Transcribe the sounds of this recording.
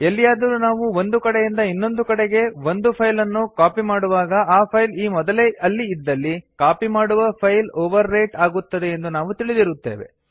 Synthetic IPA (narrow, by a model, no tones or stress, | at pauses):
elːijaːd̪ɐɾunaːʋuo̞nd̪ukɐɽe̞jind̪ɐinːo̞nd̪ukɐɽe̞ɡe̞ʋo̞nd̪upʰɐjlɐnːukaːpimaːɽuʋaːɡɐʔaːpʰɐjliːmɔd̪ɐleɐlːiid̪ːɐlːikaːpimaːɽuʋɐpʰɐjloːʋɐɾːeːʈaːɡut̪ːɐd̪e̞ːnd̪unaːʋut̪iɭid̪iɾut̪ːe̞̰ːʋe̞̰